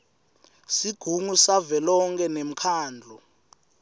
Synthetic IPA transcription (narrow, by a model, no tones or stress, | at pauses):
siɡ̥ʱuŋusavɛlɔŋkʰʼɛnem̩kʰaːnd͡ɮʱu